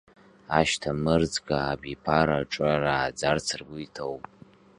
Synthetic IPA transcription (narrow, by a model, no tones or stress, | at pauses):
aʃtʰamɨrd͡zɡaːbipʰaɾaʈ͡ʂʼaraːd͡zart͡sʰɨrɡʷʊitʰowpʼ